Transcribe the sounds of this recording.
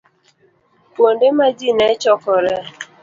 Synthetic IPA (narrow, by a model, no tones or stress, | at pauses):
kwondemad͡ʒinɛt͡ʃɔkɔɾɛ